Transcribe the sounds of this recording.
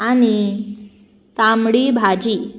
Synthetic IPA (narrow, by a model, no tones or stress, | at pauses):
ani | t̪amɽibʱad͡ʑi